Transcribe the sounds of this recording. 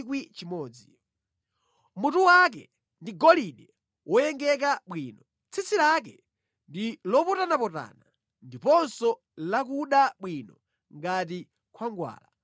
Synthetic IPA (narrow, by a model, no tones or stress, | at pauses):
kwit͡ʃimɔːd͡zi | mutuwak̬ɛ̰ | ndiɡɔliɗɛ | wʔɔjɛŋɡɛk̬aɓwiːnɔ | t͡sʰit͡sʰilak̬ɛ | ndilɔpɔtanapɔta̰na | ndipɔnsɔ | lakuɗaɓwinɔ | ŋɡat̬i | kwaŋɡwa̰ːla